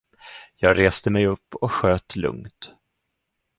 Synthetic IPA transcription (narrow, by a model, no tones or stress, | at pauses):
jɑːɡɾeːst̪əmɛjɵpːɔkɧøːt̪lɵ̰ŋt̪